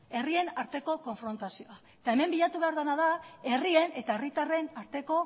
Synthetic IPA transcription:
e̞rie̞naɾt̪e̞ko̞ko̞ɱfɾo̞nt̪asioaet̪ae̞me̞mbiʎat̪uβe̞aɾðanaðae̞rie̞ne̞t̪ae̞rit̪are̞naɾt̪e̞ko̞

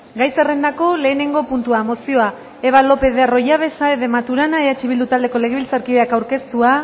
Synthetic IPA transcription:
ɡajse̞re̞nd̪ako̞le̞ːne̞ŋɡo̞punt̪uamo̞sio̞a | eβalo̞pe̞ðero̞jaβ̞e̞saeðemat̪uɾanaeðat͡ʃiβild̪ut̪ald̪e̞ko̞le̞ɣ̞eβilt͡saɾkiðeakawɾke̞st̪ua

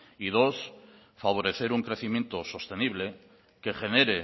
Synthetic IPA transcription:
ið̞os | faβ̞o̞ɾe̞θe̞ɾuŋkɾe̞θimjẽnt̪o̞so̞st̪e̞niβ̞le̞ | ke̞xe̞neɾe

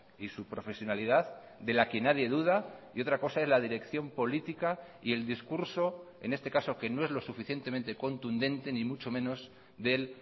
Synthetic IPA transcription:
isupɾo̞fe̞sjo̞naliðað | d̪e̞lakenaðje̞ðuð̞aio̞t̪ɾako̞sae̞zlað̞iɾe̞kθjo̞mpo̞lit̪ika | ie̞ld̪iskuɾso̞e̞̰nest̪e̞kaso̞ke̞no̞e̞zlo̞sufiθje̞nt̪e̞ment̪e̞ko̞nt̪und̪ẽ̞nt̪e̞nĩmut͡ʃo̞mẽ̞no̞z | ðe̞l

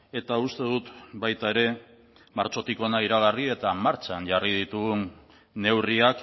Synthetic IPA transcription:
e̞t̪aust̪e̞ð̞ut̪bajt̪ae̞ɾe̞ | maɾt͡ʃo̞t̪iko̞naiɾaɣ̞arie̞t̪amaɾt͡ʃanʝarið̞it̪uɣunː | e̞wriak

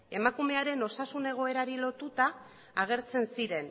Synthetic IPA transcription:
e̞makume̞aɾe̞no̞sasune̞ɣ̞o̞e̞ɾaɾilo̞t̪ut̪aː | ɣ̞e̞ɾt͡se̞nsiɾe̞n

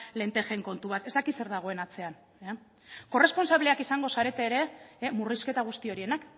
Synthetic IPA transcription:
le̞nt̪e̞xe̞ŋko̞nt̪uβat̪e̞st̪akise̞ɾðaɣ̞o̞e̞nat͡se̞an | ko̞re̞spo̞nsaβle̞akisaŋɡo̞saɾe̞t̪e̞ːɾe̞muriske̞t̪aɣ̞ust̪io̞ɾie̞nak

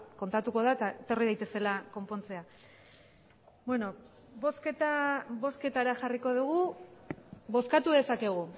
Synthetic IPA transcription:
ko̞nt̪at̪uko̞ð̞aet̪aet̪o̞riðajt̪e̞se̞lako̞mpo̞nt͡se̞a | bweno̞ | bo̞sket̪abo̞ske̞t̪aɾaʝariko̞ðuɣ̞u | βo̞skat̪uðe̞sake̞ɣ̞u

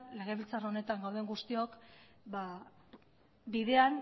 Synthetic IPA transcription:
le̞ɣ̞e̞βilt͡saraone̞t̪aŋɡawðeŋɡust̪io̞k | ba | biðe̞an

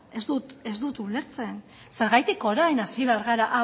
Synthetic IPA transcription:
e̞zd̪ut̪e̞zd̪ut̪ule̞ɾt͡se̞n | se̞ɾɣajt̪iko̞ɾajnasiβe̞aɾɣaɾaʔa

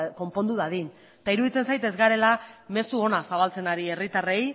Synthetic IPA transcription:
ko̞mpo̞nd̪uðaðin | t̪aiɾuðit͡se̞nsajt̪e̞zɣaɾe̞lame̞suo̞nasaβ̞alt͡se̞naɾie̞rit̪are̞j

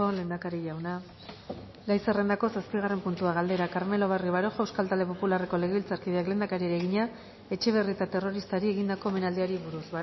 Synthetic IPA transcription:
ole̞ːnd̪akaɾiʝawna | lajsere̞nd̪ako̞saspiɣ̞are̞mpunt̪uaɣald̪e̞ɾakaɾme̞lo̞β̞ariβaɾo̞xewskalt̪ald̪e̞po̞pulareko̞le̞ɣe̞βilt͡saɾkið̞eakle̞ːnd̪akaɾieɾeɣiɲa | e̞t͡ʃe̞β̞e̞riet̪at̪e̞ro̞ɾist̪aɾieɣind̪ako̞eme̞nald̪iaɾiβuɾuszβa

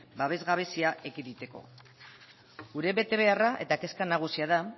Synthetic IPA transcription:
baβ̞e̞zɣaβ̞e̞siaʔekiðit̪e̞ko̞̰ | ɡuɾe̞βe̞t̪e̞β̞e̞araʔe̞t̪ake̞skanaɣ̞usiaða

